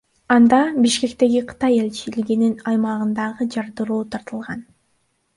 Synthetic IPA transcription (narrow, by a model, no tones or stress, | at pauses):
ɑnd̪ɑbiʃke̞kt̪e̞ɡiqʰɯ̥t̪ɑje̞lʲt͡ʃiliɡininɑjmɑʁɯnd̪ɑʁɯd͡ʒɑɾd̪ɯɾuːt̪ʰɑɾt̪ɯlˠʁɑn